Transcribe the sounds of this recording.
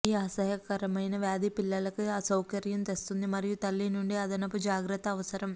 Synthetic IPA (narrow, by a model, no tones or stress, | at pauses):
iːaːsɐɦɐkɐɾɐmɐjnɐʋjaːd̪ipilːɐlɐkuaːsɐwkɐɾjɐmt̪e̞st̪und̪imɐɾijut̪ɐlːinuɳɖiɐd̪ɐnɐpːud͡ʒaːɡɾɐt̪ːɐːʋɐsɐɾɐm